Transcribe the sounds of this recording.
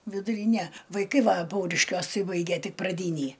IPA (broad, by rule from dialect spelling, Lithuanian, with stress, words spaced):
ʋʲɪdʊˈrʲiːnʲɛ ʋɐɪˈkɐɪ ˈʋɐ ˈpɐʊrʲɪʃʲkʲuɔs ˈtɐɪ ˈbɐɪɡʲɛ ˈtʲɪk prɐˈdʲiːnʲiː